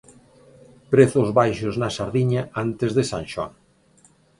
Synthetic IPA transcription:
pɾeθʊzβajʃʊznɐsaɾðiɲaant̪ezðesanʃɔ̰n

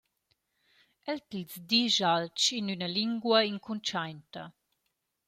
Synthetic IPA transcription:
ɛltilzdiʒalt͡ʃinynɐliŋɡwɐiŋkʰunt͡ʃajntɐ̰

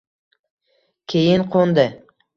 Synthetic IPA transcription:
kʲʰejɪnqʰond̪ɪ

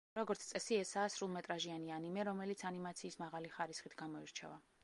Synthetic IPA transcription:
ɾɔɡɔɾt̪st̪sʼɛsiɛsaːsɾulˠmɛt̪ʼɾaʒianianimɛɾɔmɛlit̪sʰanimat̪sʰiːsmaʁaliχaɾisχit̪ʰɡamɔiɾt͡ʃʰɛ̰va

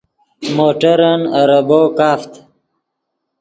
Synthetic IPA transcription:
moːʈəɾanaɾəbokaːft̪

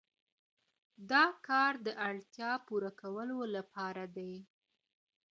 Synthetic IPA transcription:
d̪ɑkɑɾd̪əʔaɽt̪jɑpuɾakawəlolapɑɾad̪aj

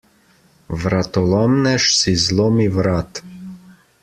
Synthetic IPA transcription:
vɾat̪ɔlɔmnɛʃsizlˠɔmivɾat̪

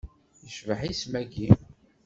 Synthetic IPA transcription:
jəʃvəħismæɡi

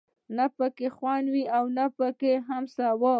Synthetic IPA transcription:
napəkexwɑnwiawnapəkeɦamsawa

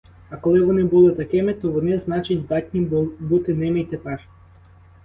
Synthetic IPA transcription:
akɔlɛvɔnɛbɔlˠɛt̪akʲɛmɛt̪ɔvɔnɛznat͡ʃinʲd̪at̪ʲnʲibut̪ɛnɛmɛit̪ɛpaʃ

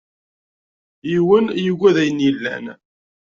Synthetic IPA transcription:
jiwənjəɡʷːæðæjənjilːæ̰n

